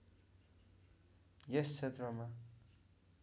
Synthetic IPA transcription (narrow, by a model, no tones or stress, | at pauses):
jest͡sʰet̪rʌma